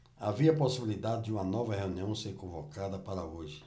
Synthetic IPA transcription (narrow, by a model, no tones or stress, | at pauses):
aviɐposibilid̪ad̪ɪd͡ʒɪũmɐnɔvɐheũniɐ̃w̃seɾkõvokad̪ɐpaɾɐoʒɪ